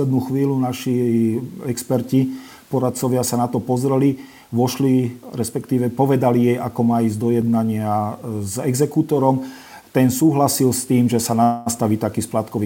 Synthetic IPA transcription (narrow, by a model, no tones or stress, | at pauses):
lɛd̪nuːxʋiːlunaʃi | ɛkspɛɾci | pɔɾat̪̚t͡sɔʋɪasanat̪ɔpɔzɾɛli | ʋɔʃliɾɛspɛkt̪iːʋɛpɔʋɛd̪alijɛjakɔmaːiːzd̪ɔjɛd̪̚naɲɪazɛɡzɛkut̪ɔɾɔm | t̪ɛnsuːɦlasilst̪iːmʒɛsanast̪aʋiːt̪akiːsplat̪kɔʋi